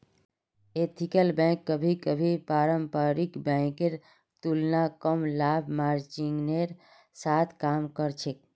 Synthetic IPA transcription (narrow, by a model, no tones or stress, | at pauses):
et̪ʰikəlbɛ̃kːəbʱikəbʱipaːɾəmpaɾikbɛ̃keɾ | t̪ulnakəmlaːbʱmaːɾt͡ʃiŋɡneɾ | saːt̪ʰkaːmkəɾt͡ʃʰek̚